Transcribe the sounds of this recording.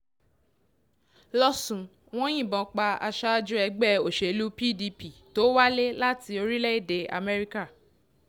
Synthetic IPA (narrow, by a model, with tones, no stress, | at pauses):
lɔ˦sũ˨ | w̃ɔ̃˦j̃ĩ˦˨bɔ̃˨˦k͡pa˧a̰˧ʃa˦d͡ʒũ˦ɛ˧ɡ͡bɛ˦˨o˨ʃe˨lu˦pi˦˨di˧pi˨to˨˦wa˦le˦la˦ti˧o˧ɾi˦lɛ˦i˦˨de˧a̰˧mɛ˧ɾi˦ka˦˨